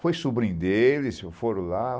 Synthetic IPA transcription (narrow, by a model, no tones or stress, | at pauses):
fojsubɾĩd̪elɪsefoɾʊ̃la